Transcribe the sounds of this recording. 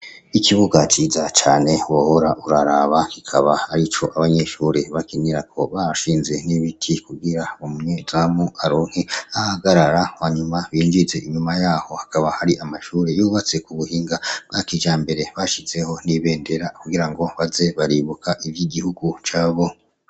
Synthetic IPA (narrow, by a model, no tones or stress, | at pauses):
ikʰiβuɡat͡ʃizat͡ʃaːne̞wohoɾaʔuɾaɾaβakikʰa̰βaaɾit͡ʃo̞ʔaβaɲe̞ʃuɾeβakiniɾakʰo̞̰βaʃiːnze̞niβitʰikuɡiɾaomuɲedɾamuaɾoːn̥hiahaɡaɾaɾawaɲumaβiːɲd͡ʒize̞ʔiɲumajaːho̞hḁkʰaβahaɾiʔamaʃuːɾe̞juβat͡se̞kuβuhiːŋɡabɡakid͡ʒaːmbe̞ɾe̞βaʃize̞ho̞niβe̞ːnde̞ɾakuɡiɾaŋɡo̞βaze̞βaɾiβukʰaʔiβjiɡihuɡut͡ʃaːβo̞